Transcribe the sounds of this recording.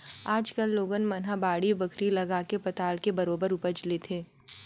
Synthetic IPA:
aːd͡ʒkəlːoːɡənmɐnɦabaːɽibɐkʰɾilɐɡaːkepɐt̪aːlkebɐɾoːbəɾʊpət͡ʃlet̪ʰeː

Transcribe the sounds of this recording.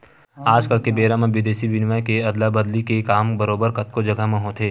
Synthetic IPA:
aːd͡ʒkəlkebeːɾãmẽʋɪd̪eːsiʋɪnʋakeɐd̪labəd̪likekaːmbəɾoːbəɾkɐt̪̚kod͡ʒɐɡəɦmẽɦot̪ʰeː

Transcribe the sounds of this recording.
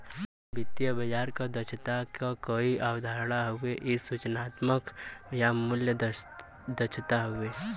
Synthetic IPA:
bɪt̪jəbəd͡ʒaːɾkad̪ət͡ʃʰt̪akakoiʔaːwd̪ʱaːɾɽaɦʊeʔɪsut͡ʃnaːt̪məkjamʊljə | d̪ət͡ʃʰt̪aɦʊeː

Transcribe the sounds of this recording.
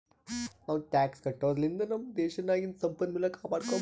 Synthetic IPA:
nɐʋʈʲaːkskɐʈːɐʋɐlind̪ɐnɐmd̪eːɕɐnaːjinsɐmpɐnmilːɐkaːpaːʈkaː

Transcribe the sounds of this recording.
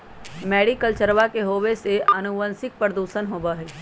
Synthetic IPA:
mɛːɖikəlt͡ʃəɾʋakeɦoːʋeseɐnʊʋənsɪk̚pɾəd̪uːʃənɦoːbaɦɛː

